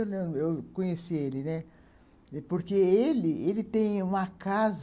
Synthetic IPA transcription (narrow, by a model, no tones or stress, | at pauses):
lẽewkõɲesielɪnɛ | poɾkeelɪelɪt̪ẽj̃ũmɐkaz